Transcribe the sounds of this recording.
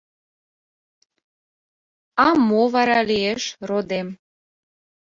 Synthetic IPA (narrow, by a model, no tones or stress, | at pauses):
ɑmoβɑɾɑlieʃrod̪em